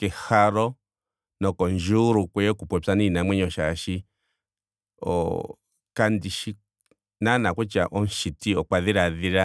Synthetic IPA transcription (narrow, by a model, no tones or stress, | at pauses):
kehaɾo | nõkonʒuɾukʷeokupʷet͡sanĩnãmẽɲõʃaʃi | o̰ | kand̪iʃi | nãnãkʷet͡ʃaʔonʃit̪iokʷaðiɾaðiɾa